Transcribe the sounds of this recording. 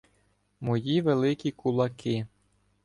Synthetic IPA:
mɔjiʋelˠɪkʲikʊlˠɐkɪ

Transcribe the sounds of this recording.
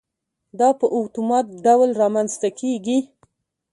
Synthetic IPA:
d̪ɑpəʔʊt̪umɑt̪̚ɖawlɾɑmanzt̪akʰeɡi

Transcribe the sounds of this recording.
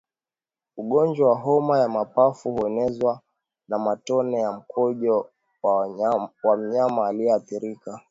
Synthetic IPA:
uɠɔnd͡ʒwawaɦɔmajamapafuhuɛnɛzwa | namatɔnɛjam̩kʰɔʄɔ | wam̩ɲamaːliɛaθiɾika

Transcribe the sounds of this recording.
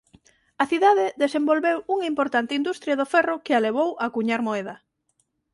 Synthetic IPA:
aθiðaðɪðesembolβewuŋaimpoɾt̪ant̪ɪind̪ust̪ɾjaðofɛrʊkɪaleβ̞owʔakuɲaɾmoeðɐ

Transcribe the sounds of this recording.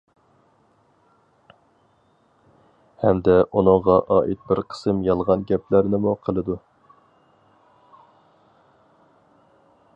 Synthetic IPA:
hɛmd̪ɛʔunɨŋʁɑʔɑːʔit̪̚bɪɾqʰə̥sɨmjɑlˠʁɑnɡʲɛplæɾnɪmuqʰəlˠɨd̪u

